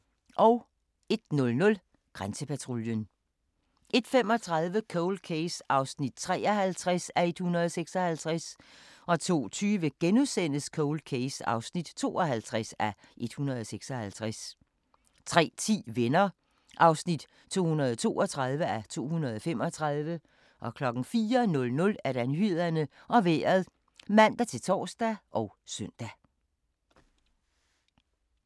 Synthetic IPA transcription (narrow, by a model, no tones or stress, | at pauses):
ʔɒ̽ʊ | e̝d̥̚nɔ̽lnɔ̽l | ɡ̥ʁansəpʰæt͡sʰʁo̝ljən | ʔe̝d̥fem̰ɒ̽t͡sʰʁɑ̈ðˠʋəkʰɔʊl̥̚kʰesɑ̈ʊsnid̥t͡sʰʁɛ̰ːɐɦælt͡sʰʁasæe̝d̥hunɐðˠɒseɡ̥sɒ̽hælt͡sʰʁasʔɒ̽t͡sʰo̝̰ːt͡sʰyːʋəɡ̥enuðˠsen̰əskʰɔʊl̚kʰesɑ̈ʊsnid̥t͡sʰo̝̰ːɒɦælt͡sʰʁasæʔe̝d̥hunɐð̞ˠɒseɡ̥sɒ̽hælt͡sʰʁas | t͡sʰʁɛ̰ːt͡sʰḭːʋenɐ | ʔɑ̈ʊsnid̥ | t͡sʰo̝̰ːhunɐð̞ˠt͡sʰo̝̰ːʔɒt͡sʰʁɑ̈ð̞ˠʋəæt͡sʰo̝̰ːhunɐðˠɒ̽fem̰ɒ̽t͡sʰʁɑðˠʋə | ʔɒ̽kʰlɒ̽ɡ̥n̩fiːɐnɔ̽lnɔ̽læɐɾ̥ænhyð̰ˠɐnəʔɒ̽ʋḛːɐð̩ˠ | mæn̰d̥æt͡sʰe̝lt͡sʰɒ̰ːsd̥æʔɒ̽ʊsœn̰d̥æ